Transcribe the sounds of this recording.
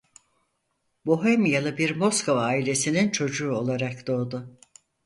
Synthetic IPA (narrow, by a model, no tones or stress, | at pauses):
boɦemijalˠɯbiɾmo̞skʰo̞vaːilʲe̞sinint͡ʃʰo̞d͡ʒuːo̞lˠaɾakd̪̥o̞ːd̪ʊ